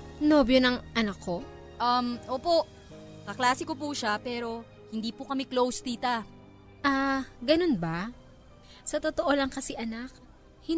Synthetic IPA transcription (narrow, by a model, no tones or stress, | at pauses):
noːbjonɐŋʔɐnɐkʰːo̞ | ʔɐmʔoːpo̞ʔ | kɐklaːsɪkop̬uʃapɛːɾo̞ | hɪnd̪iːpʊkɐmɛklowst̪iːt̪ɐ | ʔaɡɐno̞nbɐ | sɐt̪ot̪oʔo̞lɐŋkɐsiʔɐnak̚ | hɪ